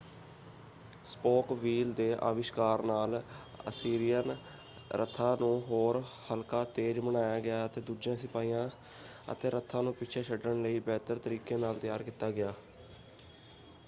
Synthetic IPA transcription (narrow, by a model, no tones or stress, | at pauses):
spoːkʋiːld̪eːʔa̰ːʋɪʃkaːɾnaːl | ə̰siːɾijən | ɾʔə̰t̪ʰːaːnũːɦoːɾhəlkaːt̪eːd͡ʒmənaːjaːɡɪjaːət̪eːd̪uːd͡ʒãːsɪpaːiːjãː | ə̰t̪eːɾət̪ʰːãːnũːpɪːt͡ʃʰeːʃʰəɖəɳləiːbɛːt̪əɾt̪əɾiːkeːnaːlt̪ɪjaːɾkiːt̪ːaːɡɪjaː